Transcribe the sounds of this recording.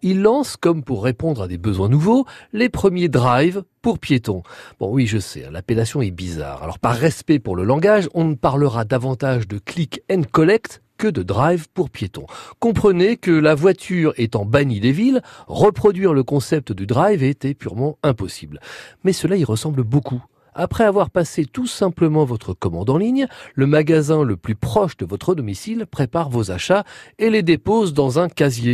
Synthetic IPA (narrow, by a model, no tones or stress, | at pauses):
ilːɑ̃skɔmpuʁːepɔ̃d̪ʁad̪ebəzwɛ̃nuvolepχəmjed̪ʁajvpuʁpjet̪ɔ̃b̥ɔ̰̃wiʒəsɛ̰ɛ̰̃la̰pelasjɔ̃ɛbiza̰ːʁa̰lɔ̰ʁpaʁːɛspɛpuʁləlɑ̃ɡaʒɔ̃nəpaʁləʁad̪avɑ̃t̪aʒd̪əklikɛ̃nkɔlɛkt̪ | kəd̪əd̪ʁajvpuʁpjet̪ɔ̰̃kɔ̃pχənekəlavwat̪ʰyʁɛt̪ɑ̃banid̪evilʁəpχɔd̪ɥiʁləkɔ̃sɛp̚t̪d̪yd̪ʁajvet̪ɛpyʁmɑ̃ɛ̃pɔsiblmɛsəlaiʁəsɑ̃blboku | apχɛavwaʁpaset̪usɛ̃pləmɑ̃vɔt̪χəkɔmɑ̰̃d̪ɑ̃liɲləmaɡazɛ̃ləplypχɔʃd̪əvɔt̪χəd̪ɔmisilpχepaʁvozaʃaeled̪epozd̪ɑ̃zɛ̃kazje